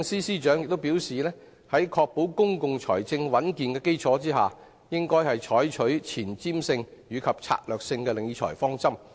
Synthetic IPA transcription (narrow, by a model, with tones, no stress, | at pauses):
ŋsiː˥siː˥t͡ʃœː˨˥ŋjɪ˨k̚t̪o˥wpiː˨˥wsiː˨lɛː˥ | hɐ˨˥jkʰɔː˧k̚po˨˥wkʊ˥ŋkʊ˨ŋt͡ʃʰɔ̰ː˨˩jt͡sɪ˧ŋwɐ˨˥nkiː˨nkɛː˧ke˥jt͡sʰɔː˨˥t͡siː˥ɦa̰ː˨ | jɪ˥ŋkɔː˥jhɐ˨jt͡ʃʰɔː˨˥jt͡ʃʰɵ˨˥ɥt͡sʰiː˨˩nt͡siː˥msɪ˧ŋɥyː˨˧kʰɐ˨p̚t͡sʰa̰ː˧t̚lœː˨k̚sɪ˧ŋkɛː˧lɪ˨˧ŋji˧t͡ʃʰɔ̰ː˨˩jfɔː˥ŋt͡sɐ˥m